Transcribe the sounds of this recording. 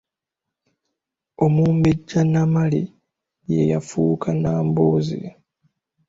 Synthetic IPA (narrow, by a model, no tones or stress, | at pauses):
o̞muːmbeɟːanamalḭ | jejafuːkʰanaːmboːzḭa